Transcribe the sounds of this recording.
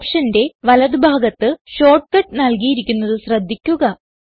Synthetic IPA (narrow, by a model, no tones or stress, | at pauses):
pʂɐnde̞ʋɐlɐðɨbʱaːɡɐt̪ːɨɕo̞ːrʈkɐʈ̚ːnɐlkijiɾikʲːunːɐðɨɕrɐd̪ʱːikʲːuɣɐ